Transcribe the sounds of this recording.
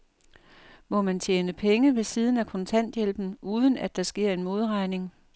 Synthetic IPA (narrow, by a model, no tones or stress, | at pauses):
mɒ̽mænt͡ɕʰjeːnəpʰeŋəʋe̝siːð̞ˠn̩ækʰɒ̽nt͡sʰæn̰d̥jelb̥n̩ʔuːð̞ˠən̩æd̥ɑ̈sɡ̥e̝ɐ̰e̝nmo̝ːðˠʁɑ̈ɪne̝ŋ